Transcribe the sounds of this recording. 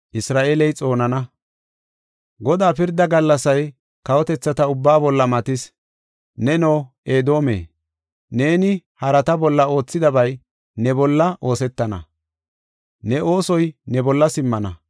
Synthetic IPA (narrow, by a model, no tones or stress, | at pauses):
ʔɪsɾaːʔeːlɛjt͡sʼo̞ːnɐnɐ | ɡɔd̪aːpɪɾd̪ːɐɡɐlːɐsɐj | kɐwɔt̪ɛt͡sːɐt̪ɐʊbːaːbɔlːɐmɐt̪ɪs | nɛnoːʔeːd̪o̞ːmḛː | ne̞ːnɪhɐɾɐt̪ɐbɔlːɐo̞ːt͡sːɪd̪ɐbɐj | nɛbɔlːɐʔo̞ːsɛt̪ːɐnɐ̰ | nɛʔo̞ːsɔjnɛbɔlːɐsɪmːɐnɐ